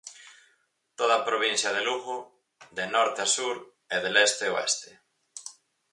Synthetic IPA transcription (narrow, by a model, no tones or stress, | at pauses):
t̪oð̞ɐpɾoβ̞in̟θjɐð̞eluɣʊ | ðenɔɾt̪easuɾ | eðelest̪eoḛst̪e